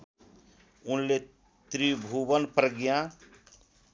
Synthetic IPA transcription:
ʊnle | t̪ɾibʱubənpɾəɡjã

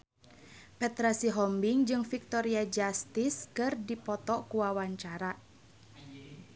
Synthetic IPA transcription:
pɛt̪ɾasiɦɔmbiŋd͡ʒɨŋfik̚t̪ɔɾiad͡ʒast̪iskɨrdipɔt̪ɔkuwawaɲt͡ʃaɾa

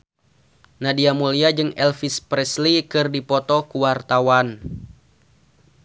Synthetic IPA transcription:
nadiamuliad͡ʒɨŋɛlfispɾɛslikɨrdipɔt̪ɔkuwart̪awan

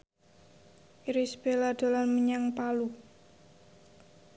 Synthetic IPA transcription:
iɾisb̥elad̪̥o̤lanməɲaŋpalu

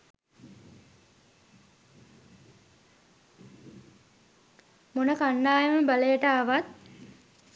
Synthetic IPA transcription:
monəkanːaːjeməbaləjəʈaːʋat̪̚

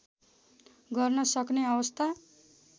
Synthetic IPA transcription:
ɡʌrnʌsʌkneʌwʌst̪ʰa

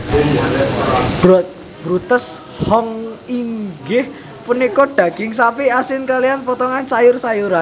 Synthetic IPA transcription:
b̥ɾɔt̪̚ | b̥ɾut̪əs | hɔŋiŋɡɪh | punikɔɖ̥ä̤ɡ̥ɪŋsapiasɪnkalianpɔt̪ɔŋansajʊrsajuɾan

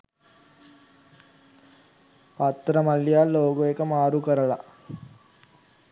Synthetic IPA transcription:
pɐt̪ːɾɐmɐljaːlːoːɡoekɐmaːɾukɐɾɐɭa

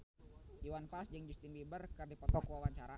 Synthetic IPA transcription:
diwanpasd͡ʒəŋd͡ʒust̪inbibərkərdipɔt̪ɔkwawaɲt͡ʃaɾa

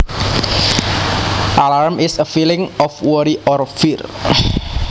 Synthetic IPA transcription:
ʔalarmɪsəfilɪŋɔfwɔɾiʔɔrfir

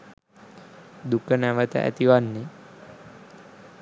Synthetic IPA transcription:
d̪ukənæʋət̪ə̰ʔæ̰t̪iʋanːe

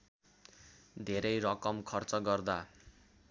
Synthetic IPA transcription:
d̪ʱeɾʌjrʌkʌmkʰʌrt͡sʌɡʌrd̪a

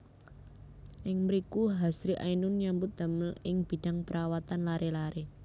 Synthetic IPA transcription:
ʔɪŋmɾikuɦasɾiʔa̰inʊnɲambʊt̪̚d̪̥a̤məlɪŋb̥i̤d̥a̤ŋpəɾawat̪anlaɾʔelaɾe

